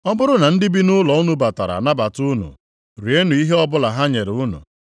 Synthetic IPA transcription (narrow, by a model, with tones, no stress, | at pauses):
ɔ˦bʊ˦ɾʊ˦na˨n̩˦dɪ˦bi˦nʊ˦lɔ˨u˦nʊ˦ba˨ta˨ɾa̰˨na˦ba˨tu˦nʊ̰˨ | ɾi˨˦e˦nʊ˨i˦ɦe˦ɔ˦bʊ˦la˨ɦa˦ɲe˨ɾʊ˦nʊ̰˨